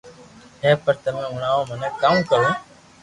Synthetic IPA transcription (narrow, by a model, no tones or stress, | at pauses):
ɦẽːpəɾt̪əmẽːʊɳaːõːmənẽːkəmkəɾẽː